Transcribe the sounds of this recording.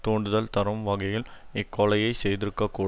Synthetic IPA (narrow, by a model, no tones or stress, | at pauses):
t̪oːɳɖɯðɐlt̪ɐɾɐmʋɐɣɐjɪlɪkːɔɭɐjɐɪsɛjðɪɾɯkːɐkːuː